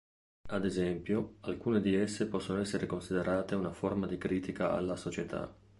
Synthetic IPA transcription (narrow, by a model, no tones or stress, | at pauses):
ad̪ezɛmpjoalkuːned̪iesːepɔsːonoɛsːeɾekonsid̪eɾʔaːt̪eunaformad̪ikɾiːt̪ikaa̰lːasot͡ʃet̪ʰa̰